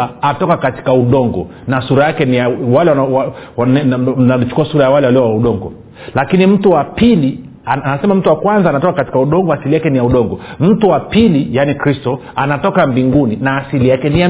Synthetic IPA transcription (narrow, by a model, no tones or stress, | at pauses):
aatɔkakati̥kauɗɔŋɡɔ̰ | nasuɾajakɛnijawalɛwawan̩nalit͡ʃu̥kuasuɾajawalɛwaliɔwauɗɔŋɡɔ̰ | lakinim̩tuwapili | anasɛmam̩tuwakwanzaːnatɔkakati̥kauɗɔŋɡɔasilijakɛnijauɗɔŋɡɔm̩tuwapilijanikɾistɔ | anatɔkambiŋɡuninaːsilijakɛnija